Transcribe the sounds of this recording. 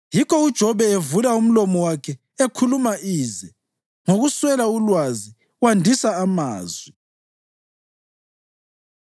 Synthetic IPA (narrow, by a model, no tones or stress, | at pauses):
jikɔud̥ʒ̥ʱɔβɛevulaum̩lɔmɔwakʰɛ | ekʰulumaʔiːzɛ | ŋoɣuswɛlaulwazi | wandʱisaːma̰ːzwi